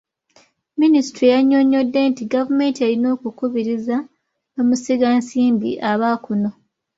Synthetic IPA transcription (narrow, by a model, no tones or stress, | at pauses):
minisi̥tɾijaɲːo̞ɲo̞dːe̞ntiɡavume̞ːntieɾino̞ːkukuβiɾiza | omusiɡansiːmbḭʔaβakuno̞